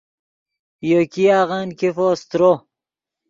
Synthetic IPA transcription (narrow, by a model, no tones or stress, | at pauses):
jokiaːʁankefoːst̪ɾo